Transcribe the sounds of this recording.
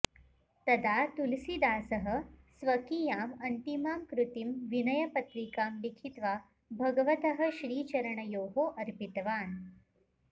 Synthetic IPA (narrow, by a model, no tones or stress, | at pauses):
t̪ɐd̪at̪ulsid̪aːsəɦə̆sʋɐkijaːmɐnt̪imaːmkɾut̪imʋinɐjɐpɐt̪ɾikaːmlikʰit̪ʋa | bʱɐɡəʋət̪əɦə̆ɕɾiːt͡ɕɐɾəɳəjoːɦoːʔɐɾpit̪ʋaːn